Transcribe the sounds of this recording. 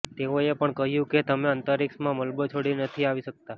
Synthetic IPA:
t̪eoepəɳkəɦjũket̪əmẽənt̪əɾiksmãməlbət͡ʃʰoɽinət̪ʰiaʋiʃək̚t̪a

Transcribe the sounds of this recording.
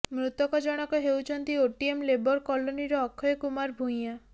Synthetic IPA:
mɾut̪ɔkɔd͡ʒɔɽ̃ɔkɔɦewt͡ʃʰɔnt̪ioʈiemlebɔɾkɔloniɾɔːkʰːɔjɔkumaɾbʱũja

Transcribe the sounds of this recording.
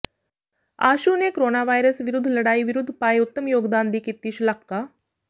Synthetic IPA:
aːʃunekɾoːnaːʋaːiɾəsʋɪɾʊd̪ʱːləɽaːiʋɪɾʊd̪ʱːpaːeʊt̪ːəmjoːɡd̪aːnd̪iːkit̪ːiːʃləkːaː

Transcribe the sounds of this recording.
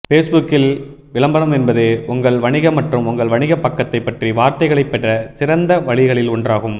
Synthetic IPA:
feːsbʊkːɪl | ʋɪlɐmbɐɾɐmɛnbɐðeːʔʊŋɡɐɭʋɐɳɪɣɐmɐʈrɯmʊŋɡɐɭʋɐɳɪɣɐpːɐkːɐt̪ːɐɪpːɐʈriʋaːɾt̪ɐɪɣɐɭɐɪpːɛʈrɐsɪɾɐnd̪ɐʋɐɭɪɣɐɭɪlʊɳdraːɣɯm

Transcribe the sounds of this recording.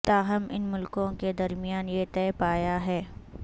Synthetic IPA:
t̪aːɦɐmɪ̰nmʊlkõked̪ɐɾmɪjaːnjet̪ɛːpaːjaɦɛː

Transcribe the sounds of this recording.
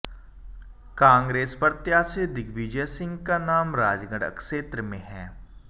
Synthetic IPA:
kãːŋɡɾeːspɐɾt̪jaːsed̪ɪɡʋid͡ʒəsɪ̃ŋɡkanaːmɾaːd͡ʒɡə̃ɖə̰kʃeːt̪ɾəmẽɦɛː

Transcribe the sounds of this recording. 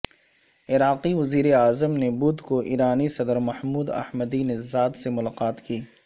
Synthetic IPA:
ɪɾaːqiʋɐziːɾeaːzəmnebʊd̪koʔḭːɾaːnisɐd̪əɾmɐhmuːd̪ɐ̰hməd̪inezaːd̪semʊlaːqaːt̪kiː

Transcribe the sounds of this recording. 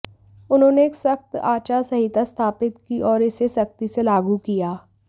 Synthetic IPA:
ʊnɦõːneːksɐxt̪aːt͡ʃasɐɦit̪ast̪ʰaːpɪt̪kiʔɔːɾɪsesɐkt̪iselaːɡukijaː

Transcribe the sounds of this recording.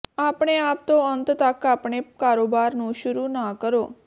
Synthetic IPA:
apɽ̃eap̚t̪oənt̪t̪akːapɳ̃ekaɾobaɾnũːɕuɾuːnakəɾo

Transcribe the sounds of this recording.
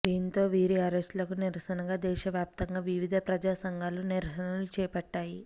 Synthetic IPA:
d̪iːnt̪o̞ːʋiːɾiɐɾesʈlɐkuniɾɐsɐnɐɡaːd̪ɛːʃɐʋjaːp̚t̪ɐŋɡaːʋiʋid̪ʱɐpɾɐd͡ʒaːsɐŋɡaːluniɾɐsɐnɐlut͡ʃɛːpɐʈːaːji

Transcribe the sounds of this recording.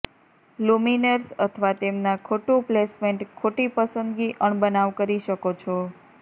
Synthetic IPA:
luminəɾsət̪ʰʋat̪emnakʰoʈũplesmeɳʈkʰoʈipəsənd̪ɡiʔəɳbənaʋkəɾiʃəkot͡ʃʰɔ

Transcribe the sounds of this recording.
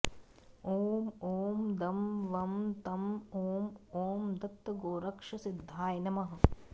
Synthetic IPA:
oːmoːmd̪ɐmʋɐmt̪ɐmoːmoːmd̪ɐt̪ːɐɡoːɾɐkʂɐsid̪ʱːaːjnɐmɐɦɐ̆

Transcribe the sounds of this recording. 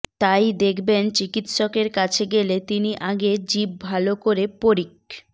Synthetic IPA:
t̪ajd̪ekʰbent͡ɕikit̪ʃokeɾkat͡ɕʰeɡelet̪iniʔaɡed͡ʑib̚bʱalokoɾepoɾik̚

